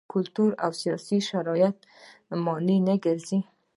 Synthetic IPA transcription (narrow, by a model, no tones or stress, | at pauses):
kʊlt̪uɾa̰wsijɔsiʃaɾɑjat̪̚ | mɔninaɡəɾzi